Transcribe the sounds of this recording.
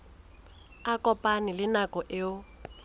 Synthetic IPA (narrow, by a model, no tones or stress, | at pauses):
akʼɔpʼanɪlɪnakʼɔʔɪʊ